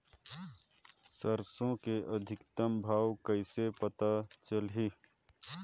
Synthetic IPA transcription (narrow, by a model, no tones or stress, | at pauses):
səɾsõkeʔəd̪ʱɪkt̪əmbʱaːwkəɪsepət̪at͡ʃəlɦi